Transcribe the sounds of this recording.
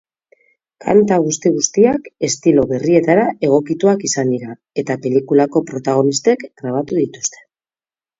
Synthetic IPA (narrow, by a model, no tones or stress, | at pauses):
kʰa̰nt̪aɣ̞ust̪iɣ̞ust̪iake̞st̪ilo̞βe̞rie̞t̪aɾae̞ɣ̞o̞kit̪uakisand̪iɾa | e̞t̪ape̞likulako̞pɾo̞t̪aɣ̞o̞nist̪e̞kɡɾaβ̞at̪uðit̪u̥st̪e̞̥